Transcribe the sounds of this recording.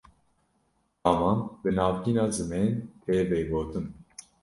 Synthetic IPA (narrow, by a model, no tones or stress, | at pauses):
ɑːmɑːnbənɑːvkiːnɑːzɨmeːnt̪ʰeːveːɡoːt̪ɨm